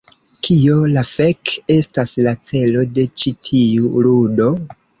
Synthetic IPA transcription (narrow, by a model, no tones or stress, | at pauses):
kʰio̞lafeke̞staslat͡se̞lo̞de̞t͡ʃitʰiuɾudo̞